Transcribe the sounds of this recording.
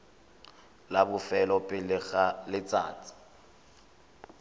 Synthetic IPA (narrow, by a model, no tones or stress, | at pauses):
labʊfɛlɔpʼɪlɣalɪt͡sʼa̰ːt͡sʼi̥